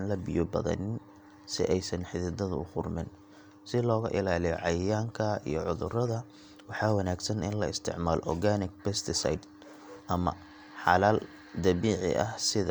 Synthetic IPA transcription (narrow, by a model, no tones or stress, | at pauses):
nlɐbɪjɔbɐðɐ̰nɪn | sɪʔɛjsɐnħɪðɪd̪ɐðʊʊχʊrmɪn | sɪlɔːɣɐʔɪlaːlɪjɔ̰ʕɑjɪjaːŋkʰɐḭjɔʕʊðʊrɐðɐ | wɑħɑːwɑnaːɡsɐnɪ̰nlɐɪst̪ʰɪ̰ʕmaːl̰ʔɔrɡaːnɪk̚pɛst̪ʰɪsa̰jd̪ | ʔɐmɐ̰ | ħɑlaːl | d̪ɐβiːʕɪ̰ʔɐ̰hsɪðɐ